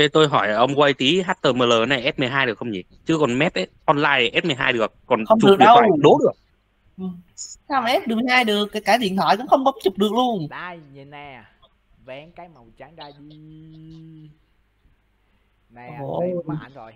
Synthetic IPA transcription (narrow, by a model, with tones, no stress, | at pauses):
e˧˩t̪o˧jɦɔ˧˩jʔə˨˩ʔə˧wŋ͡mkwa˧jt̪i˨˦ɦaː˦˥t̚t̪əː˧˩məː˨˩ləː˨˩na˨˩jʔɛ˦˥t̚mɨ˨˩əjɦaː˧jɗɨ˨˩əkʰxə˧ŋ͡mt͡ɕḭ˨˩t͡ɕɨ˨˦kɔ˨˩nmɛ˦˥p̚ʔə˨˦jʔɔ˧nlaː˧jʔɛ˦˥t̚mɨ˨˩əjɦaː˧jɗɨ˨˩ək̚ːɔ˨˩nxə˧wtt͡ɕʊ˨˥˨ɗə˧wwɗo˨˦ɗɨ˨˩ək̚ | ʔɨ˨˩msaː˧wmʔɛ˦˥p̚ɨ˨˩m˨˩jhɦaː˧jɗɨ˨˩ək̚ːaː˨˦jkːaː˧˩˦zi˧˩˨ənt̪waː˧˩jkʊ̰˧˥ŋ͡mxə˧wŋ͡mkɔə˨˦ŋ͡mt͡ɕu˨˩k͡p̚ɗɨ˨˩ək̚lu˧ən˧j | vɛ˨˦kaː˨˦jm˨˩t͡ɕː | j